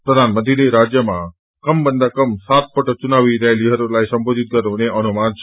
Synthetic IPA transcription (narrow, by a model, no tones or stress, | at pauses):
pɾəd̪ʱanməd̪ʱiliɾad͡ʒjəmã | kəmbənd̪ʱakəmsat̪̚pəʈət͡ʃunaʋiɾɛeliɦəɾolajsəmbʱod͡ʒ̪it̪̚ɡəɾoneʔənumant͡ʃʰ